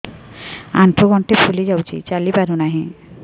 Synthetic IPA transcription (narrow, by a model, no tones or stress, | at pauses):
a̰np̪ʰoɡɔɳʈepʰuled͡ʑawt͡ɕʰḭt͡ɕalipaɾunaɦĩ